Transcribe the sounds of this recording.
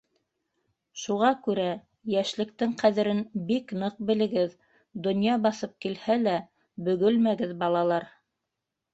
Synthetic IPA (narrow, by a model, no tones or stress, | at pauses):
ʃuʁɑkʉɾæ | jæʃlɘ̆k̚t̪ɘŋqæðɘ̆ɾɘnbiknɤq̚bɘ̆lɘ̆ɡɘð | d̪ŏnjɑbɑθɤp̚kilhælæ | bɵ̆ɡɵlmæɡɘðbɑlˠɑlˠɑɾ